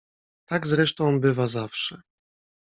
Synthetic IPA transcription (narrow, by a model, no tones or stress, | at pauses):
t̪aɡzɾɛʂt̪ɔ̃w̃bɘvazafʂɛ